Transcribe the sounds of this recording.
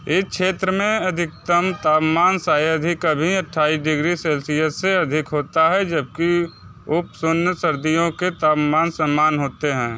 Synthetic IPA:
ɪʃeːt̪ɾəmẽɐd̪ʱɪk̚t̪əmt̪aːpmaːnsaːjəd̪ʱikabʱiɐʈʰːaːisɖɪɡɾisɛːlsijəsseɐd̪ʱɪkɦoːt̪aɦɛd͡ʒəb̚ki | ʊpsonjəsɐɾd̪ijõket̪aːpmaːnsɐmːaːnɦoːt̪eɦɛ̃ː

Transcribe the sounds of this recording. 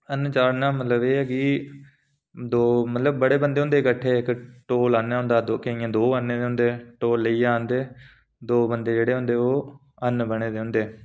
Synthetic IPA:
ənt͡ʃaːɾnaːmət̪ləbeːɛkiː | d̪oːmət̪ləbːəɽeːbənd̪eːʊ̃nd̪eːkəʈʰːeːɪkʈoːlaːnːaːɦʊ̃nd̪aːd̪okeĩãːd̪oːaneːd̪eːɦʊ̃nd̪eːʈoːlːəiːaːnd̪eː | d̪oːbənd̪eːd͡ʒeːɽeːɦʊ̃nd̪eːoː | ənbəɽ̃eːd̪eːɦʊ̃nd̪eː

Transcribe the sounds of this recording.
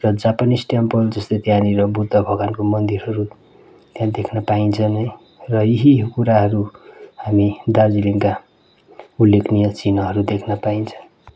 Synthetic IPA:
rʌd͡zapanisʈjampʌld͡zʌst̪ot̪janiɾʌbʱut̪ʌbʱʌɡankomʌnd̪iɾʌɾu | t̪jãd̪ekʰnʌpaint͡sʰʌnʌj | rʌiɦikuɾaɦʌɾuhamid̪ard͡ziliŋka | ulːekʰnijʌt͡sinʌɦʌɾud̪ekʰnʌpaint͡sʰʌ̥n

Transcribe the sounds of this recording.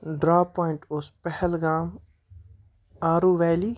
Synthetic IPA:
ɖɾaːpɔːɪɳʈʊspɛhɛlɡaːm | aːɾuːʋɛːliː

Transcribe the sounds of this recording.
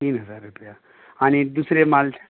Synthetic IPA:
t̪iːnɦəd͡zaɾːupəja | añid̪usɾemalt͡ʃʰ

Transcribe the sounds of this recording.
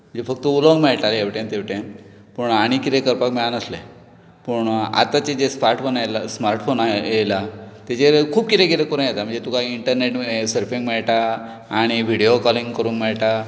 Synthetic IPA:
m̤əɳd͡zefək̚t̪əuloŋɡmɛɭʈaleʋʈẽnt̪eʋʈẽ | pəɳaɽ̃ikit̪ẽkəɾpakmɛɭanəsle | pəɳa̰t̪at͡ɕed͡ʑesmaɾʈfonalasmaɾʈfonaelat̪et͡ɕeɾkʰuːb̚kit̪ẽɡeɾekoɾãjet̪am̤əɳd͡zet̪ukaiiɳʈəɾneʈsəɾfĩŋɡmɛɭʈa | aɽ̃iʋiɽijokɔliŋɡkəɾũːŋkmɛɭʈa

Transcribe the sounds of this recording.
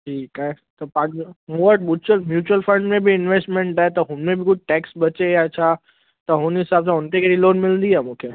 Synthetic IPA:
ʈʰiːkaːɦe | t̪ɐpãːɲd͡ʑomũəʈmuːt͡ɕəlmjuːt͡ɕuwəlfɐ̃ɳɖmẽbiɪnʋeːsʈmẽɳʈaːɦet̪ɐɦʊnmẽbɪkʊd͡ʑʱʈɛːksɓɐt͡ɕejaːet͡ɕʰaː | t̪ɐɦʊnɦɪsaːbsãʊnt̪ekʰeɾiloːnmɪlə̃nd̪iaːmũːkʰeː

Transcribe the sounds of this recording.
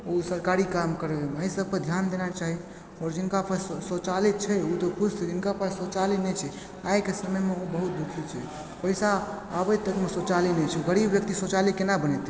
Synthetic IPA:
osəɾkaɾikamkəɾeeməisəb̚ked̪ʱjand̪enat͡ʃaɦi | ɔɾd͡ʒinkapəɾsot͡ʃalit̪̚t͡ʃʰɛut̪opʰust̪d͡ʒinkapəɾsot͡ʃalinɛt͡ʃʰɛ | ajkesəməjmeobəɦut̪̚d̪ukʰit͡ʃʰɛ | pəjsaː | bət̪əkmesot͡ʃalinɛt͡ʃʰuɡəɾibʋjək̚t̪isot͡ʃalikenabənɛt̪

